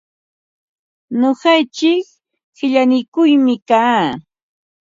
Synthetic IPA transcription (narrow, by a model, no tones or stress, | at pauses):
noɢɑjt͡ʃɪk | hɪʎanɪkʊjmɪkaː